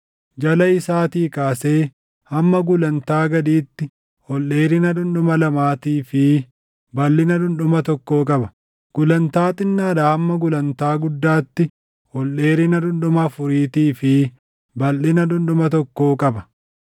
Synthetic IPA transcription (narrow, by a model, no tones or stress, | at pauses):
d͡ʒɐlɐɪsaːt̪iːkaːse̞ː | hɐmːɐɡʊlɐnt̪aːɡɐd̪iːt̪ːɪ | hɔlʔe̞ːɾɪnɐᶑʊnᶑʊmɐlɐmaːt̪iːfɪ | bɐlːɪnɐᶑʊnɗʊmɐt̪ɔkːoːkʼɐbɐ̥ | ɡ̥ʊlɐnt̪aːt̪ʼɪnːaːdaːhɐmːɐɡʊlɐnt̪aːɡʊd̪ːaːt̪ːɪ | hɔlːe̞ːɾɪnɐᶑʊnᶑʊmɐːfʊɾiːt̪iːfɪ | bɐlːɪnɐᶑʊnɗʊmɐt̪ɔkːoːkʼɐbɐ̥